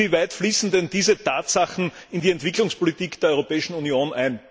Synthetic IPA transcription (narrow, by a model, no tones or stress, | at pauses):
iːvæɪtfliːsn̩dɛndiːzətaːtsaχn̩ | ɪndiɛntv̥ɪklʊŋspolitiːkd̥eːɐɔʏʁopɛːɪʃn̩unjoːnʔæɪn